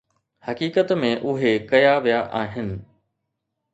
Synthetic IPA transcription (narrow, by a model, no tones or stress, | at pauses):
hɐkiːkət̪mẽʔʊɦekɐjaʋijaʔaːɦɪnɪ̆